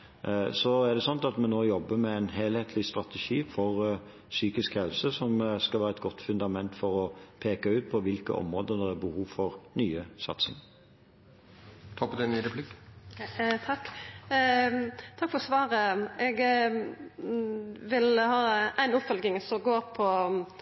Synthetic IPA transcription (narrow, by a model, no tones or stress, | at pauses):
sɔæd̪ɛsɔnt̪ɑt̪mɛnoːjɔbːəmɛæɪnɦeːlheːt̪ʰlɪst̪ʁɑt̪ɛʂiːfɔʁ | syːkɪskhɛlsəsɔmskɑlʋæːɾəɛt̪ɡɔt̪ːfʉnd̪ɑmɛnt̪fɔɾɔpʰeːkɑʉːt̪̚pʰɔʋɪlkə̰ʔɔ̰mɾoːd̪əd̪ɛɾæɾbəhuːʋfɔɾnyːəsɑt̪sɪ̰ŋ | t̪ʰɑːpɔd̪ɛnyɾɛpʰlɪk | t̪ʰɑkː | t̪ʰɑkfɔʁɔsʋɑːɾəɛɡ | ʋɪlhɑːʔæɪnʊpfɔlɡɪŋsɔmɡoːɾpʰɔ